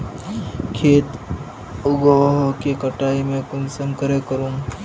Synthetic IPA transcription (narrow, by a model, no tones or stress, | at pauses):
kʰeːt̪ | ʊɡoɦokekɐʈaːimẽkʊnsəmkəɾekəɾũː